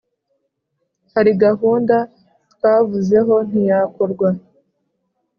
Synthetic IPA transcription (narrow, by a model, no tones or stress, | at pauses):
haɾiɡaɦuːnda | t̪kaːvuze̞ɦo̞n̥ijakoɾɡwa